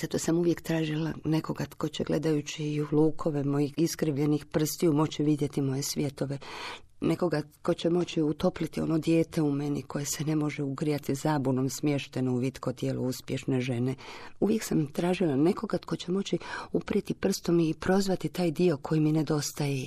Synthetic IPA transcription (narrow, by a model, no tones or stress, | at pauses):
z̥at̪o̞samuʋje̞kt̪ɾaːʒilane̞ko̞ɡat̪ko̞t͡ɕeɡle̞̰d̪ajut͡ɕilˠuːkʰo̞ʋemo̞jixiskɾiʋʎe̞nixpr̩st̪iumo̞t͡ɕiʋid̪je̞t̪imo̞je̞sʋʲje̞t̪o̞ʋe̞ | ne̞ko̞ɡa | ko̞t͡ɕemo̞t͡ɕiut̪o̞plit̪io̞̰no̞d̪je̞ːt̪ʰe̞ume̞nikʰo̞je̞sene̞mo̞ʒeuɡɾijat̪izaːbunomsmjeʃt̪e̞nouʋit̪kʰo̞t̪jeːluuspje̞ʃne̞ʒe̞neuʋje̞ksamt̪ɾaːʒilˠane̞ko̞ɡat̪ko̞t͡ɕe̞mo̞t͡ɕiupɾjet̪ipr̩st̪o̞miːpɾo̞zʋat̪it̪aːjd̪io̞kʰo̞jimine̞d̪o̞st̪aje